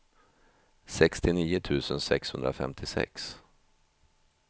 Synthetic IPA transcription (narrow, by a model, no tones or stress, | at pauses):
sɛkst̪ɪniːʊt̪ʰʉ̟ːsənsɛkshɵnd̪ɾafɛ̰mt̪ʰɪsɛ̰ks